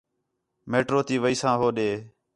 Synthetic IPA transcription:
meːʈɾoːt̪iːʋəiːsãːɦoːɗeː

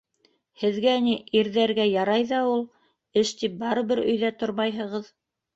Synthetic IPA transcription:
hɘ̆ðɡæniʔiɾðæɾɡæjɑɾɑjðɑulˠ | ɘʃt̪ip̚bɑɾɤ̆βɘɾɵ̆jðæt̪oɾmɑjɦɤ̆ʁɤð

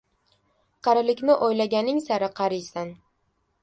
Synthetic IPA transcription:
qʰɑɾɪlɪkʲnɪʔojlaɡʲanɪŋsaɾɪqʰɑɾɪjsan

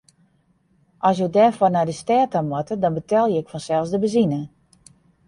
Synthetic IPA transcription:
ʔɔs̬jədɛfɔrnadəstɛːtamwɔtədɔnbətɛlˠjəɪkfɔnsɛlˠsdəbəzinə

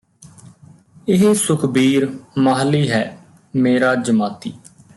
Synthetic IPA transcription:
ɪɦesʊkʰbiːɾmaɦəlːiːɦɛː | meːɾaːd͡ʒəmaːt̪iː

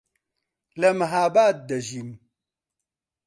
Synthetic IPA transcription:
lɐmɐɦaːbaːt̪̚d̪ɐʒin

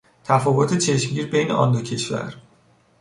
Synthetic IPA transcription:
t̪ʰæfɒːvo̞t̪ʰet͡ʃʰe̞ʃmɟiːɾbe̞jne̞̰ʔɒ̰ːnd̪ocʰe̞ʃvæ̰ɾ

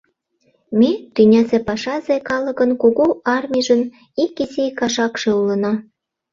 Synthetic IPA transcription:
met̪ynʲæzepɑʃɑzekɑləkə̆nkuɣoɑrmʲiʒə̆n | ikizekɑʃɑkʃeulənɑ

